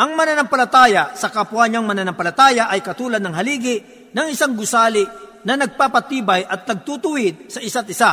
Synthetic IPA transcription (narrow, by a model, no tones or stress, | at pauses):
ʔɐŋmɐnanɐmpɐlɐt̪aːjɐsɐkɐpʊaɲaŋmɐnɐnɐmpɐlɐt̪aːjɐʔɐjkɐt̪uːlɐd̪̚nɐŋɦɐliːɡɪ | nɐŋɪsaŋɡʊsaːlɪnɐnɐɡ̚papɐt̪iːbɐjʔɐt̪̚nɐɡ̚t̪ut̪ʊwɪd̪̚sɐʔɪsat̪̚ɪsa